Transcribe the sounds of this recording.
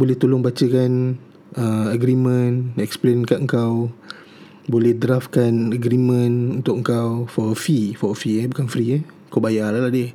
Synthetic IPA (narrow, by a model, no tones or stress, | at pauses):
bolɛht̪ulʊŋbat͡ʃəkan | əəɡɾimə̃nɛksplenkanəŋkaw | bolɛhdɾafkanəɡɾimə̃nunt̪ʊʔ̚əŋkawfɔfifɔfiəbukanfɾiə | kawbajalalahdɪh